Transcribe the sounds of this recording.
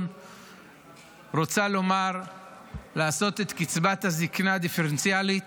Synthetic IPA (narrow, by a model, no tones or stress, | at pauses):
n | ʁot͡salo̞maʁ | laːso̞t̪et̪kit͡sbat̪haziknad̪ifeʁent͡sjalit̪